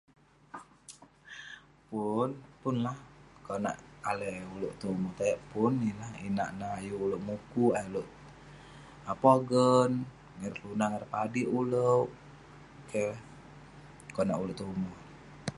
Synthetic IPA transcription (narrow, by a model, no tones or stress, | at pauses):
punpʊnlahkona̰ʔaleuluʔt̪omut̪ajaʔpʊnːilahḭna̰ʔnaːjuːlowʔmukuajuluʔ | apoɡən | ŋərlunaŋərpadiʔulə | ke | konaʔuluʔt̪umu